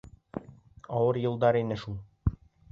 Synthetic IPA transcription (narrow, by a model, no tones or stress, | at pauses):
ɒwɤɾjɤ̆lˠd̪ɑɾinɘʃulˠ